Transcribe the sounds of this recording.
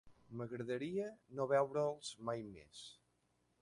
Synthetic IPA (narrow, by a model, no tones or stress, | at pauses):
məɣɾəðəɾiənoβ̞ɛwɾəlˠz̥majmḛs